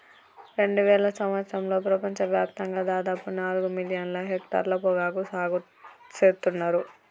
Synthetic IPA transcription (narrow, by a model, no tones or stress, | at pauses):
ɾe̞ɳɖuʋɛːɭɐsɐmʋɐt̪sɾɐmlo̞ːpɾɐpɐɲt͡ʃɐʋjaːp̚t̪ɐŋɡaːd̪aːd̪aːpunaːluɡumilijɐnlɐɦek̚ʈa̰ːɾlɐpɔɡaːɡusaːɡu | t͡ʃeːɾt̪unːaːɾu